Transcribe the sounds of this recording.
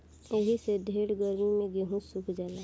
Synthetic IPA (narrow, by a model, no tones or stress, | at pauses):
eɦised̪ʱeːɽɡəɾmimẽɡeɦũsukʰd͡ʒaːla